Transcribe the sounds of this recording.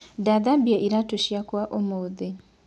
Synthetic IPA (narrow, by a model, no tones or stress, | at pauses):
daðabjeʔiɾatuʃjakwaʔomoði